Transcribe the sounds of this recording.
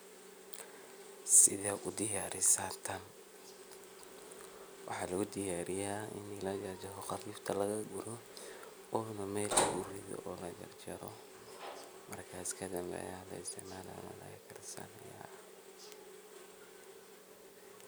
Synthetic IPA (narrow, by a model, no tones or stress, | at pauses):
sɪðɛʔʊd̪ɪjaːɾɪsaːnt̪ʰɐn | wɑħɑːlɐɣʊd̪ɪjaːɾɪjaːɪ̰nɪlaːd͡ʒɐd͡ʒɐɦɔxɑfiːft̪ʰɐlɐɣɐɡʊɾɔ | ɔːnɐmɛːlɡʊrɪðɔ̰ʔɔːlɐd͡ʒɐ̰rt͡ʃɐɾɔ | mɐrkʰaːskʰɐd̪ɐmbɛ̰jaːlɐ̰ɪst̪ʰɪʕmaːla̰ːnɐ̰lɐ̰ɣɐkʰɐrsa̰ːnɐja̰ː